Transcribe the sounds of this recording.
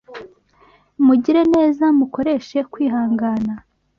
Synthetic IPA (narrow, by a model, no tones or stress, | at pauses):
muɟiɾe̞ne̞ːzamuko̞ɾe̞ʃe̞kwiːɦaːŋɡaːna